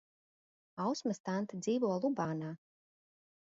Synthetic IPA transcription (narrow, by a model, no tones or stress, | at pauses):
awsmast̪ant̪ɨd̪ziːvuɔlˠubaːnaː